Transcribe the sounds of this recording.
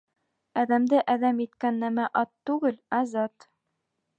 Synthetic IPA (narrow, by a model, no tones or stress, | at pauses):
æðæmd̪ɘʔæðæmit̪kænːæmæʔɒt̪ːʉɡɘlæzɑt̪